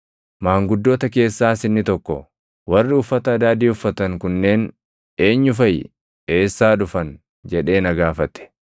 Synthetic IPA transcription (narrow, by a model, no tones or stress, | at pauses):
maːŋɡʊd̪ːo̞ːt̪ɐke̞ːsːaːsɪnːɪt̪ɔkːɔ̰ | wɐrːɪʊfːɐt̪ɐːd̪aːd̪iːʊfːɐt̪ɐŋkʊnːe̞ːn | e̞ːɲːʊfɐj | e̞ːsːaːᶑʊfɐn | d͡ʒɛᶑe̞ːnɐɡaːfɐt̪ɛ̥